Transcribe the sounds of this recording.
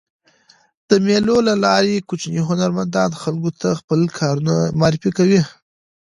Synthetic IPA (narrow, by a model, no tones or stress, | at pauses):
d̪̥əmelolalɑɾekut͡ʃniɦʊnaɾmand̪ɑnxalɡot̪ʰaxpəlkʰɑɾunamɑɾɪfikawi